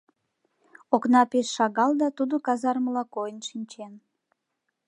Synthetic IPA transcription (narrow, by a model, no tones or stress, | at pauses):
oknɑpeʃːɑɣɑld̪ɑt̪ud̪okɑzɑrməlɑkojənʃinʲt͡ɕen